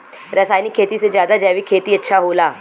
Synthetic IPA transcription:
ɾəsaːjnikʰːeːt̪ised͡ʒjaːd̪ad͡ʒaːʋikʰeːt̪iɐtːʃʰaɦoːlaː

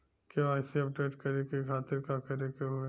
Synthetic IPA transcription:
keaːɪsiɐp̚ɖeːʈkɐɾekekʰaːt̪ɪɾkakɐɾekeɦoe

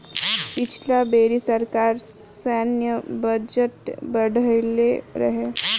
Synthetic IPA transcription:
pit͡ʃʰlabeɾisəɾkaɾsanjəbəd͡ʑət̪bəɽʱəjleɾə̰ɦe

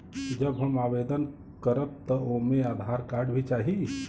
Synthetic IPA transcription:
d͡ʒəbɦəɳmaʋed̪ən | kəɾət̪t̪əomẽaːd̪ʱaɾkaɾɖbʱit͡ʃaɦi

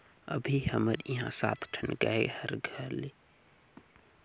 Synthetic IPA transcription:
ə̰bʱihəməɾiɦãːsa̰ːt̪ʰʈʰənɡa̰ehəɾɡʱəɾli

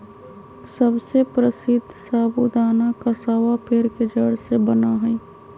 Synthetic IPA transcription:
səbsepɾəsɪd̪ʱsaːbʊd̪aːnakasaːʋapʰɪɾked͡ʒəɽsebənaɦɛː

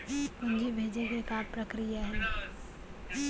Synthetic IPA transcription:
ʊnd͡ʒʱibʱeːd͡ʒekekapɾɐkɾijaɦɛː

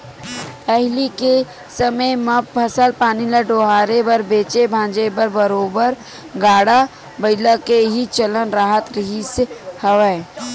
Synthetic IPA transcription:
pɛɦlike | səməjməp̚pʰɐsəlpaːniləɖoːɦaːɾebəɾbeːt͡ʃebʱãːd͡ʒebəɾbəɾoːbəɾ | ɡaːɽa | bəɪlakeɦit͡ʃələnɾaːɦət̪ɾəɦisehəʋəː

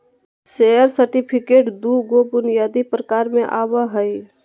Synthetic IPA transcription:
seːjəɾsəɾʈipʰɪkeːʈd̪uɡobʊnijaːd̪ipɾəkaːɾmẽʔaːwəɦəi

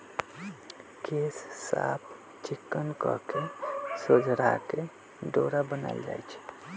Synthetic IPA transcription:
kessa̰pʰ | t͡ʃikːənkɔ̰kesod͡ʒʱɾake | ɖoɾabəna̰ld͡ʒa̰jt͡ʃʰɛ̥

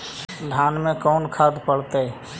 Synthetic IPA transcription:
ɖʱaːnmẽkɔːnkʰad̪pəɽt̪e

